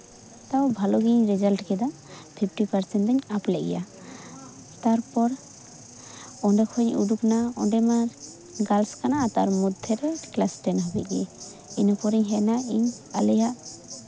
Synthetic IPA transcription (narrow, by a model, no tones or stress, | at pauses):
t̪awbʱalɔɡiɲɾɛd͡ʒalʈkɛd̪ɔ | pʰipʰʈipaɾsɛnʈɛɲaplɛʔɡɛ̰ja | t̪aɾpɔɾ | ɔɳɖɛkʰɔɲṵd̪uknaɔ̰ɳɖɛma | ɡalskanaːt̪aɾmud̪ʱɛɾɛklasʈɛnɦɔbit̪̚ɡɛ | inɔpɔɾiɲɦɛnaiɲalɛjaʔ